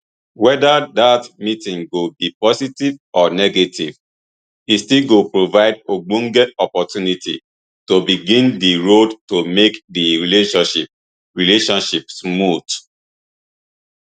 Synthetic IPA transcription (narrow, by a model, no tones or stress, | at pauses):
wɛdadatmitĩŋɡobipɔsitivɔnɛɡetʰiv | istilɡopɹovaɪdoɡ͡bũŋɡɛɔpɔtjunitḭ | tobiɡĩndiɹodtomekdiɹileʃɔ̃nʃip̚ | ɹileʃɔ̃nʃipsmud